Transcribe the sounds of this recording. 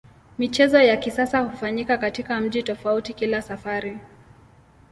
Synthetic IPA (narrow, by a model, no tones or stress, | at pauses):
mit͡ʃɛzɔjakisasahufaɲikakatikam̩ʄitɔfautikilasafaɾi